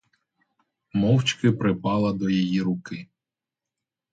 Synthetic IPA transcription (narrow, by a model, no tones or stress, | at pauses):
mɔwt͡ʃkɪpɾɪpɑlˠɐd̪ɔjijiɾʊkɪ